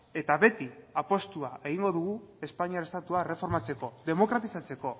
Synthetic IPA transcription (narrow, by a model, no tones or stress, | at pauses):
e̞t̪aβe̞t̪iapo̞st̪uae̞ɣ̞iŋɡo̞ðuɣue̞spaɲiaɾest̪at̪uare̞fo̞ɾmat͡se̞ko̞ðe̞mo̞kɾat̪isat͡se̞ko̞